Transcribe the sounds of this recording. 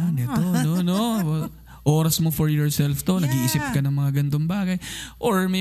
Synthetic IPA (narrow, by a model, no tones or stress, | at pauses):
anɛt̪onono | ʔoːɾɐsmofoɹjɔɹsɛlft̪o̞nɐɡiːʔɪsɪp̚kɐnɐŋmɐŋaɡɐnt̪o̞ŋbaːɡɐjʔoɹmɐ